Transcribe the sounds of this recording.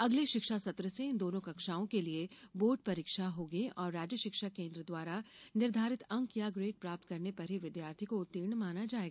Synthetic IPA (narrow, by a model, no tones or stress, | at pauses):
ɐɡleʃɪkʃasɐt̪ɾəsed̪oːnõkɐkʃaːõkelieboːɾʈ̚pɐɾiːkʃaɦoːɡəiʔɔːɾːaːd͡ʒjəʃɪkʃakẽːnd̪ɾəd̪waːɾanɪɾd̪ʱaːɾɪt̪ɐ̃ŋkjaɡɾeːʈ̚pɾaːp̚t̪kɐɾnepɐɾɦiʋɪd̪jaːɾt̪ʰikoʊt̪ːiːɾɳmaːnad͡ʒaːeːɡa